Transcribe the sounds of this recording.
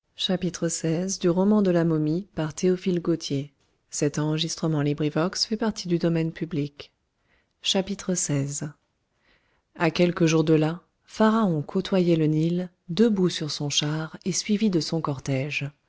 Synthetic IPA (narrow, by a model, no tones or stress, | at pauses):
ʃapit̪χəsɛzd̪yʁɔmɑ̃d̪əlamɔmipaʁt̪eɔfilɡot̪ʰje | sɛt̪ɑ̃ʁəʒist̪χəmɑ̃libʁivɔksfɛpaʁt̪ʰid̪yd̪ɔmɛnpyblik | ʃapit̪χəsɛz | akʲɛlkəʒuʁd̪əla | faʁaɔ̃kʰot̪wajɛlənil | d̪əbusyʁsɔ̃ʃaʁesɥivid̪əsɔ̃kɔʁt̪ɛʒ